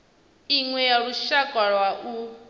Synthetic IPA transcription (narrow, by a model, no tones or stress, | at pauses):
iŋwɛjaɺuʃakʼaɺwaʔu